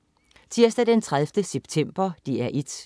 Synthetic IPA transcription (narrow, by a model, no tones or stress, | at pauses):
t͡sʰiɐsd̥æd̥ent͡sʰʁaðˠfd̥əseb̥t͡sʰem̰b̥ɐd̥iæɐʔid̥